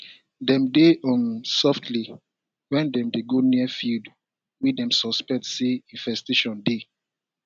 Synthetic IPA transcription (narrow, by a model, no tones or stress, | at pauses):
dɛ̃mdeɔ̃nsɔftʰli | wɛ̃ndɛ̃mdeɡoniəfild | widɛ̃msɔspɛ̃tseĩnvɛsteʃɔ̃nde